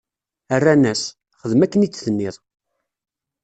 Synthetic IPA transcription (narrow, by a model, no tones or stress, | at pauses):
ərːænæs | χəðəmækːənit͡sːθənːɪðˤ